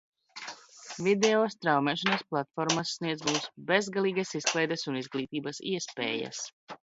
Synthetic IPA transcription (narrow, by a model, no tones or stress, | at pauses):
vid̪ɛɔːst̪ɾawmɛːʃanɐsplˠat̪fɔɾmasːniɛzmuːsbezɡalˠiːɡasisklˠɛjd̪esunizɡliːt̪iːbɐsḭɛspḛːjɐ̰s